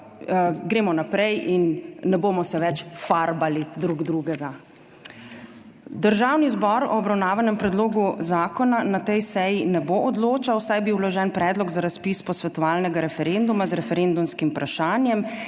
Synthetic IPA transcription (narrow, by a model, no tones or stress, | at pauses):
ɡɾeːmɔnapɾɛjʔinːɛboːmɔsɛʋɛt͡ʃfaɾbalid̪ɾuɡd̪ɾuːɡɛɡa | d̪əɾʒaːwnizbɔɾɔ̰ːbɾawnaːʋanɛmpɾɛd̪loːɡuzaːkɔnanat̪ɛjsɛjinɛboʔɔd̪loːt͡ʃawsajbiwlɔʒɛnpɾɛːd̪lɔɡzaɾaspiːspɔsʋɛt̪ɔʋaːlnɛɡaɾɛfɛɾend̪umazɾɛfɛɾend̪umskimpɾaʃaːnjɛm